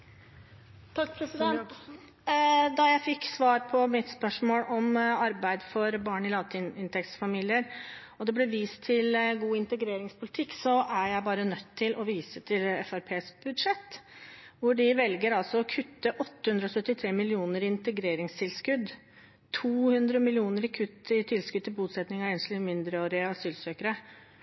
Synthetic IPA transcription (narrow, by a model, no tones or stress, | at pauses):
t̪ʰɑkːʰsɛ | d̪ɑjæɪfɪkːsʋɑːɾpʰɔmɪt̪spœʂmoːɽɔmɑɾbæɪd̪fɔɾbɑːɳɪlɑːt̪ʰɪnɪnt̪ʰɛk̪sfɑmiːlɪəɾ | ɔd̪ɛblɛʋiːst̪ʰːɪlɡuːɪnt̪əɡɾeːɾɪŋspʰʊlɪt̪ʰɪkːsɔæɾjæɪbɑːɾənœt̪ʰːɪlʔɔʋiːsət̪ʰɪlɛ̰fæɾpʰeːsb̥ʉd̪ʂɛt̪ːʋʊɖɪʋɛlɡəɾɑlsɔɔkʰʉt̪ːəʔɔt̪ːəhʉnd̪ɾɔsœt̪ːɪt̪ʰɾeːmɪlɪuːnəɾɪɪnt̪əɡɾeːɾɪŋst̪ʰɪlskʉd̪ | t̪ʰuːhʉnd̪ɾəmɪlɪuːnəɾɪkʰʉt̪ːɪt̪ʰɪlskʉd̪t̪ʰɪlbuːt̪sɛt̪nɪŋɑeːnslɪmɪnd̪ɾəoːɾəɑsyːlsøːkəɾə